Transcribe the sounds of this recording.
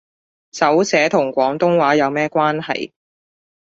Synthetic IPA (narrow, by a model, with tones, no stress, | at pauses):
sɐ˨˥wsɛː˨˥t̪ʰʊ˨˩ŋkʷɔː˨˥ŋt̪ʊ˥ŋwaː˨˥jɐ˨˧wmɛː˥kʷaː˥nhɐ̰˨j